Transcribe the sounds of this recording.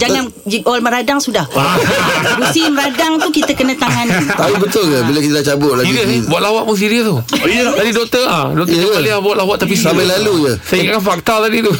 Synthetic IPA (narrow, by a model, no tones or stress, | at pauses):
d͡ʒaŋan | d͡ʒikɔlməɾadaŋsudahaɾusiməɾadaŋt̪ukit̪əkənə̃t̪aŋant̪aubət̪ʊlkabilakit̪ədaht͡ʃabʊʔ̚laɡiəbuaʔ̪lawaʔmus̬iɾiət̪ut̪adidɔk̚t̪əadɔkt̪alɛahbuat̪ʔ̚lawaʔ̪t̪ːap̬isamajlalujəsaiŋkakanfak̚t̪at̪adit̪u